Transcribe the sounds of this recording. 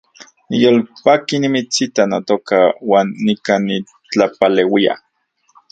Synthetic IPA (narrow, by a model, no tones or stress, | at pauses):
nijolpaːkinimit͡sit̪anot̪okawaːnːikani | t͡ɬapalewia̰